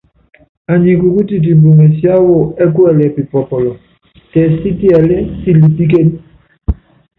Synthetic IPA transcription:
a˨ɲi˨ku˨ku˦ti˨t̬i˨mbu˨mɛ˨sja˦wo˦ɛ˦k̬wɛ˦˨lɛ˨pi˨pɔ˨pɔ˨lɔ˨ | tɛ˨si˦ti˦ɛ˨le˦si˦li˨pi˦k̬e˦ni˦

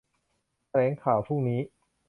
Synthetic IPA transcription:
ɾɛː˩˦ŋkʰaː˨˩wpʰuː˥˩ŋniː˦˥

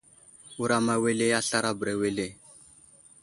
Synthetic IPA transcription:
u˨ɾa˨ma˨we˦le˦a˦ɬa˦ɾa˦bə˨ɾa˨we˦le˦˨

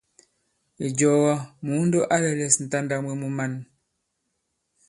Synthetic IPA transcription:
i˨d͡ʒɔ˨ɣɔ˦mu˨˦ndo˦ʔa˦lɛ˨lɛ˨sn̩˨ta˦nda˦˨mwe˦˨mu˦ma˦˨n

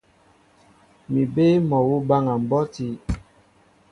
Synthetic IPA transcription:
mi˨be˦mɔ˨wu˦ba˦ŋa˨m̩˨bɔ˦ti˦

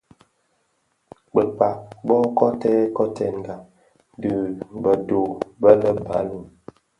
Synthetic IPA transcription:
k͡pə˨k͡pa˨bɔ˦kɔ˦tɛ˦kɔ˦tɛ˦˨n˨ɡa˨ | dʉ˨bə˨do˨bə˦lə˦ba̰˨˦lu˦˨

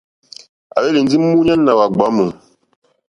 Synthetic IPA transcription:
a̰˨be˦li˨n˦d͡zi˦m̩˦mu˦ɲa˦nː˦a˨wa˨ɡ͡ba˨˦mə˨

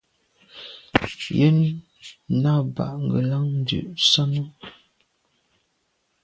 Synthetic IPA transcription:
jə˦n˦ | na˦˨ba̰˨ʔŋ˨ɡə˨la˦ŋn̩˦dʉ̰˨ʔsa˦nə˦

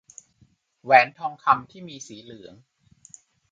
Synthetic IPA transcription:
wɛː˩˦nt̪ʰɔː˧ŋkʰa˧mt̪ʰiː˥˩miː˧siː˩˦lɯ˩˦əŋ

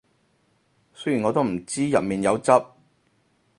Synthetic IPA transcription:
sɵ˥jyː˨˩nŋɔ˨˧t̪̬m̩˨˩t͡siː˥jɐ̰˨t̚miː˨˩njɐ˨˧wt͡sɐ˥p̚

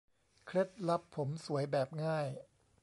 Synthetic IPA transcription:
kʰɾe˦˥t̪̚la˦˥pʰːo˩˦msu˩˦əjbɛː˨˩p̚ŋaː˥˩j

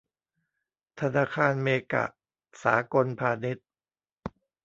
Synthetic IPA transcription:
t̪ʰa˧naː˧kʰaː˧nmeː˧ka̰˨˩ʔ | sa̰ː˩˦ko˧npʰaː˧de˦˥t̪̚

